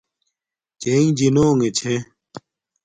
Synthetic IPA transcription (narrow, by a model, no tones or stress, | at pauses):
t͡ɕeĩd͡ʑinoːŋet͡ɕʰe